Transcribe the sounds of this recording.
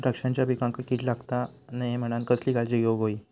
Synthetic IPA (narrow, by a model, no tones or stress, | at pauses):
ɾəkʂãɲt͡ɕjabʱikãŋkəkit̪laɡt̪anajem̤əɽ̃ankəsliːkaɭd͡ʑiɡeʋɡoiː